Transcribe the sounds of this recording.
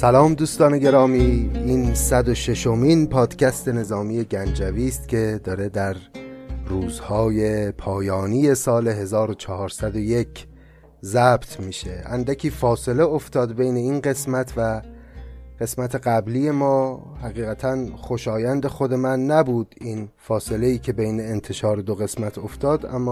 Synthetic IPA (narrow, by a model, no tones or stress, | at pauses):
sælɒːmd̪uːst̪ɒːne̞ɡe̞ɾɒːmiːiːnsæd̪o̞ʃe̞ʃomiːnpʰɒːd̪̥cʲʰæst̪e̞ne̞zɒːmije̞ɟænd͡ʒæviːst̪cʲʰe̞d̪ɒːɾe̞d̪æɾruːzhɒːje̞pʰɒːjɒːniːje̞sɒːle̞ɦe̞zɒːɾot͡ʃʰɒhɒːɾsæd̪o̞je̞kʰ | zæbt̪ʰmiːʃe̞ʔæ̰nd̪ækʰiːfɒːse̞leoft̪ɒːd̪be̞jne̞iːnɢe̞smæt̪ʰvæ | ɢ̥e̞smæt̪ʰe̞ɡæbliːje̞mɒː | hæɣiːɣæt̪ʰænxo̞ʃɒːjænd̪e̞xod̪e̞mænːæbuːd̪̥iːnfɒːse̞leiːcʰe̞bejne̞ːnt̪ʰe̞ʃɒːɾed̪oɣe̞smæt̪ʰo̞ft̪ɒːd̪ʔæ̰mː